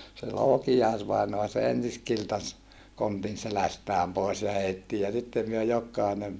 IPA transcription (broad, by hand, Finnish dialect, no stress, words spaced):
se loːkijɑisʋɑinoɑ se ensis kiltɑs kontin selæstæːm poˑis jɑ heitːi jɑ sitːe myø jokˑɑinen